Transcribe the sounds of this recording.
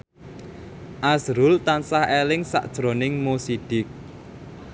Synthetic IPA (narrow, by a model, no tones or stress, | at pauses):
ʔasɾʊlt̪ansahelɪŋsa̰ʔd̥ʒ̥ɾo̤nɪŋmosiɖ̥ɪk̚